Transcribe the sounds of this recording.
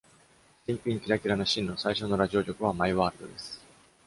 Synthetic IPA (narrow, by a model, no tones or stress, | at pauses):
ɕĩmpʲĩŋkʲiɾakʲiɾano̞ɕĩnːo̞saiɕo̞no̞ɾaʑio̞ɾʲo̞kɯ̟β̞amaiβaːɾɯd̪o̞̰d̪e̞sɨ̥